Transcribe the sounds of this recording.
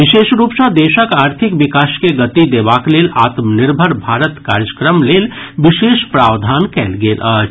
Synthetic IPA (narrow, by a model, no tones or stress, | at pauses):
ʋɪʃeːʃɾuːpsə̃d̪eːʃəkaːɾt̪ʰɪkʋɪkaːskeɡət̪id̪eːʋaːkleːlaːt̪mnɪɾbʱəɾbʱaːɾət̪kaːɾjəkɾəmleːlʋɪʃeːʃpɾaːʋd̪ʱaːnkɛ̰ːlɡeːlʔa